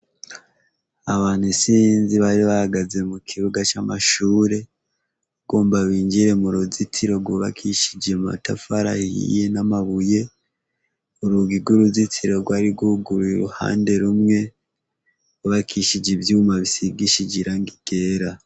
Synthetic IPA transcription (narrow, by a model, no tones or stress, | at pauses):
aβaːn̥husinziβaɾiβahaɡaze̞mukʰiɾuɡat͡ʃama̰ʃuːɾe̞ | ɡoːmbaβiːɲd͡ʒiɾe̞muɾuzitʰiɾo̞ɡuβa̰kʰiʃi̥d͡ʒe̞mma̰tafaɾa̰hḭje̞namaβuje̞ | uɾuɡiɡuɾuzitʰiɾo̞ɡwaɾiɡuɡuɾuɾṵha̰ːnde̞ɾumŋe̞ | uβakʰiʃid͡ʒevjuːmaβisiɡiʃid͡ʒiɾaŋɡiɡ̥e̞ːɾa